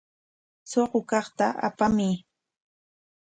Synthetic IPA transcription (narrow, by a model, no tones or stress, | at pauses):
soɢokɑχt̪aʔa̰pamɪ